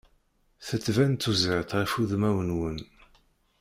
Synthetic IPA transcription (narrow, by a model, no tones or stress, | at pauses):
θət͡sːvænt̪ːuzəʕət̪ʁifuðmæwənwən